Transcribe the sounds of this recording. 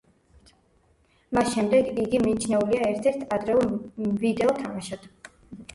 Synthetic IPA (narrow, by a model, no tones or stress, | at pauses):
masʃɛmd̪ɛɡiɡimiːt͡ʃʰnɛuliaɛɾt̪ʰɛɾt̪ʰad̪ɾɛulvid̪ɛɔt̪ʰamaʃat̪